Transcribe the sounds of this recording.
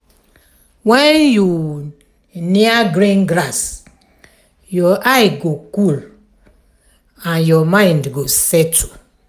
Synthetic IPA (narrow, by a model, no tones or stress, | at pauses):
wɛnju | niaɡɾinɡɾas | jɔʔajɪɡokul | anjɔmaɪ̃ndɡosetʰu̥